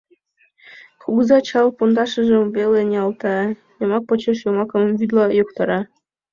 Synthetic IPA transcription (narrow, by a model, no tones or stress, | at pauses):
χuɡzɑt͡ɕɑlˠpond̪ɑʂɤ̆ʐɤ̆mvʲelʲĕnʲeɑlˠt̪ɑ | jɤ̆mɑk̚pɤ̆t͡ɕeʂjumɑkɤ̆mvʲyd̪lˠɑjukt̪ɑɾɑ